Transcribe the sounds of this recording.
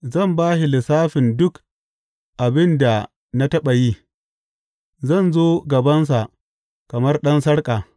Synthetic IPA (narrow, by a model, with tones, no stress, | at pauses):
zɐ˦˨mbaː˦hɪ˨lɪ˨saː˦ɸɪ˨ndʊ˦k | ʔa˨bɪ˦nda˨ | na˦tɐ˦ɓa˨ji˦ | zɐ˦˨nzoː˦ɡɐ˨bɐ˦ns̬a˨ʔ | kɐ˨mɐ˦rɗɐ˦nsɐ˦ɽkʼaː˨